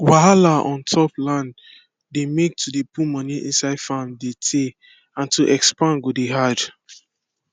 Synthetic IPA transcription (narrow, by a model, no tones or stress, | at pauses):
waɦalaɔ̃ntʰɔplãnd | demek̚tʰudepumɔniʔḭ̃nsaɪdfãmdetʰe | ãntuʔɛkspãnɡodeɦad